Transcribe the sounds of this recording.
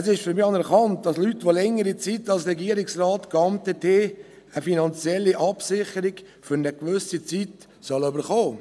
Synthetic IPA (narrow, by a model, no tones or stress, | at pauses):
əsɪʃfʏɾmiɑnɛɾkɑnt̚d̥ɑslytʋolɛŋəɾit͡sitɑlsɾɛɡiəɾɪksrɑːtkɑmtətʰeː | əfinɑnt͡sjɛlːiʔɑpsɪχəɾɪɡ̥ | fʏɾnəkʋʏsit͡sit | sœløbəɾχoː